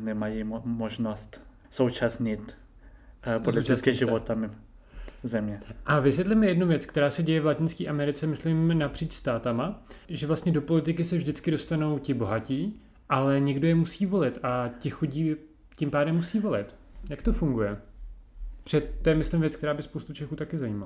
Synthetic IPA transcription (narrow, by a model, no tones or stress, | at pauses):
nɛmajimoʒnost̪ | sowt͡ʃasɲɪt̪ | polɪɪskɪʒɪvot̪amɪ | zɛmɲɛʔavɪsʋʲjɛt̪lɪmɪjɛdnuvjɛt͡skt̪ɛɾaːsɛɟɛjɛvlacɪnskiːʔamɛɾɪt͡sɛmɪslɪmnapr̥iːt͡ʃst̪aːt̪amaʒɛvlast̪ɲɛdo̞po̞lɪt̪ɪkɪsɛvʒdɪt͡skɪdo̞st̪ano̞wcɪbo̞ɦaciː | ʔalɛɲɛɡdojɛmusiːvo̞lɪt̪ʔacɪxuɟiː | cɪmpaːdɛmːusiːvo̞lɪt̪ | jakt̪o̞fuŋɡujɛ | pr̥ɛt̪t̪ːojɛmɪslɪmvjɛt͡sk̚t̪ɛɾaːbɪspowst̪ut͡ʃɛxuːt̪akɪzaiːmal